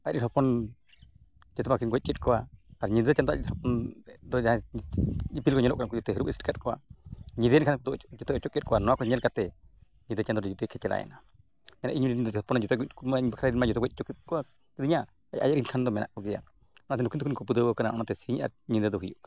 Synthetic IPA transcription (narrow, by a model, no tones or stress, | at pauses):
aɾiɾɦɔpɔn | d͡ʒɔt̪ɔmakinɡɔc̪̚t͡ʃɛt̪̚kɔwaaɾɲind̪ət͡ʃand̪ɔa̰ɾinhɔpɔnd̪ɔd͡ʒaa | ipilkɔɲɔlɔʔkɾankɔd͡ʒɔt̪ɔɦɾubisʈikat̪̚kɔwa̰ɲid̪ənkʰand̪ɔd͡ʒɔt̪ɔɔt͡ʃɔkʼɛt̪̚kɔwanɔakɔɲɛlkat̪ɛ | ɲid̪ət͡ʃand̪ɔɾd͡ʒut̪ɛkʰɛt͡ʃɛla̰ɛ̰na | mɛna̰ʔiɲɾiind̪ɔhɔpɔnd͡ʒɔt̪ɔɡukmaɲbakʰɾaɾinmad͡ʒɔt̪ɔɡɔt̪̚t͡ʃɔkit̪̚kɔa | t̪əd̪iɲa | ajʔa̰jaʔɾinkʰand̪ɔmɛna̰ʔkɔɡɛja̰ | ɔnat̪ɛnukint̪ukinkɔpud̪əwəkanaɔnat̪ɛsiɲʔa̰ɾɲid̪əd̪ɔɦujṵʔk